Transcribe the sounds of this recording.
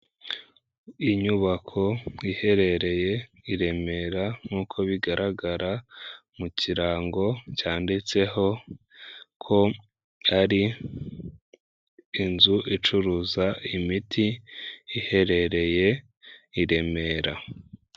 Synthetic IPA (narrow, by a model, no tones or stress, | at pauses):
iɲuβakʰo̞ihe̞ɾe̞ɾe̞je̞ | iɾe̞me̞ːɾaŋuːkʰo̞βiɡaɾʔaɡaɾamuciɾaːŋɡo̞caːndit͡se̞ɦo̞ | kʰo̞ | aɾi | nzuʔit͡ʃuɾuzaimitʰiː | he̞ɾe̞ɾe̞je̞ | iɾe̞me̞ɾa